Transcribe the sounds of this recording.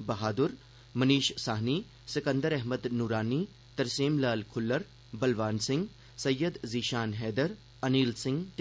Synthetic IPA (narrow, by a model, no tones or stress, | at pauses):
bɐɦaːd̪ʊɾ | mɐniːʃsaːɦniː | sɪkə̃nd̪əɾɛɦməd̪nuɾaːniː | t̪ɐɾsiːmlaːlkʰʊlːəɾ | bɐlʋaːnsɪ̃ŋɡ | sɐjːəd̪ziːʃaːnɦɛːd̪əɾ | ɐniːlsɪ̃ŋɡt̪